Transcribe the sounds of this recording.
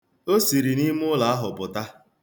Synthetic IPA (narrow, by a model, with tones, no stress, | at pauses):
o˦si˨ɾi˨ni˦mʊ˦la˨a˦ɦʊ˨pʊ˨ta˦